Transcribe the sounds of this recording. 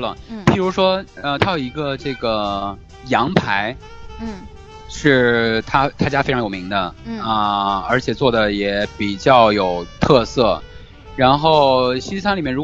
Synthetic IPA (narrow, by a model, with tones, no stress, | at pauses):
lə̰˩pi˨˩ɻu˧˥ʂwɔ˥ə˧t̪ʰa˥jo˨˩ʊi˧˥ɡə˧ʈ͡ʂɤ˥˩ɡə˩ | jɑ˧˥ŋpʰa˧˥ɪ˩ | ʂɻ̩˥˩t̪ʰa˥t̪ʰa˥˩t͡ɕja˥fe˥ʈ͡ʂʰŋjo˨˩mi˧˥ŋd̪ə˧ə˧ə˞˧˥t͡ɕʰjɛ˨˩t͡swɔ˥˩d̪ə˩jɛ˧˩˥pi˨˩t͡ɕjɑ˥˩ʊjo˨˩ʊt̪ʰɤ˥˧sɤ˥˩ | ɻa˧˥nxo˥˩ʊɕi˥sʰa˥nli˨˩mjɛ˥˩nɻu˧˥